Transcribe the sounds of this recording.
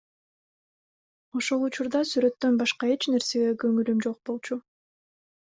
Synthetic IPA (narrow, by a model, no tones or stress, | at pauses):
o̞ʃo̞lˠut͡ʃuɾd̪ɑsyɾø̞t̪ːø̞nbɑʃqɑe̞t͡ʃne̞ɾse̞ɡe̞ɡø̞ŋylymd͡ʒo̞q̚bo̞lˠt͡ʃu